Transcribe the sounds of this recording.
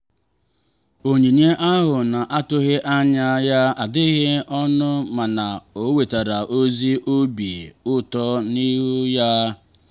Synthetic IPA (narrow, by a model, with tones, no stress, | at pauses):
o˨ɲe˨ɲe˦ʔa˦ɦʊ˨na˨ʔa˦tʊ˦ɦɪ˦ʔa˦ɲa˦ja˦a˨dɪ˦ɣe˦ɔ˦nʊ˦ma˨na˨o˦we˨ta˨ɾa˨ʔo˦zi˦ʔo˦be˨ʊ˦tɔ˦ni˦ɦʊ˦ja˦